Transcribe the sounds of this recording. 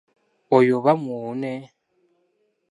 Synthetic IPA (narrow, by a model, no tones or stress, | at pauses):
ojoβamuːne